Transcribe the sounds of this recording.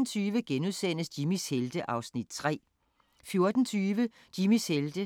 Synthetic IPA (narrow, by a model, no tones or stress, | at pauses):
n̩t͡sʰyːʋəɡ̥enuðˠsen̰əsd̥imisheld̥əʔɑ̈ʊsnid̥̚t͡sʰʁɛ̰ː | fjo̝ɐd̥n̩t͡sʰyːʋə | d̥imisheld̥ə